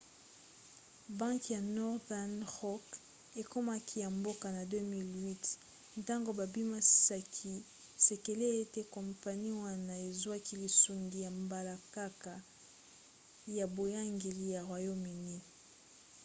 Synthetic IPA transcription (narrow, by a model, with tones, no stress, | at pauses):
bã˦ŋkja˨nɔ˦ʁdɛ˦nʁɔ˦k | e˨ko˦ma˦kʰi˦ja˨mbo˦ka˨na˨dø˦mi˦lwi˦t | nta˦ŋɡo˨ba˨bi˦ma˦si̥˦˨sa˦kʰi˦ | se˨ke˨le˦e˦te˦kɔ˨mpa˨ni˦wa˦na˨e˨zwa˦ki˦li˨su˨ŋɡi˨ja˨mba˨la˨ka˦ka˨ | ja˨bo˨ja˦ŋɡe˨li˦ja˨ʁwa˨jo˦mi˨ni˦